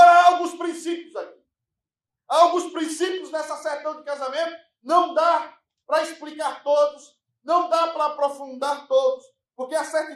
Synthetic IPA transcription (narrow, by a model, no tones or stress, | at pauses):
ɾaawɡũspɾĩsipjʊzaki̥ | awɡũspɾĩsipjʊzd̪ɛsɐsɛɾt̪ɐ̃w̃d̪ɪkazamẽnt̪ʊ | nɐ̃w̃d̪a | pɾɐisplikaɾt̪od̪ʊs | nɐ̃w̃d̪apɾɐːpɾofũnd̪aɾt̪od̪ʊs | poɾkeɐsɛɾt̪i